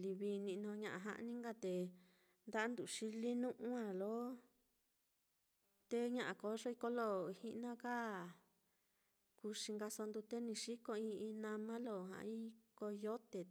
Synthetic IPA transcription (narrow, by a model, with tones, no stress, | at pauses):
li˧βi˧nĩ˧ʔnõ˧ɲã˧ʔã̰˧ɦã̰˦˧ʔnĩ˦ŋɡa˧t̪e˨ | nd̪a˦a˦nd̪u˨ʂi˧li˦nũ˦ʔũ˦ã˧˨lo˨˦ | t̪e˦ɲã˧ʔã˨ko˨˦ʐo˦i˧ko˦lo˦hi˦ʔnã˦ka˦˨ | ku˧ʂi˧ŋɡa˧so˧nd̪u˧t̪e˦nĩ˧ʃi˦ko˧ĩ˧ĩ˧nã˧mã˦lo˧˨ɦã̰˨˧i˦ko˧jo˦t̪e˨